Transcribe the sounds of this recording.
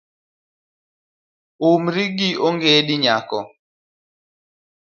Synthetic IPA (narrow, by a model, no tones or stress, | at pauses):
omɾiɡioŋɡediɲakɔ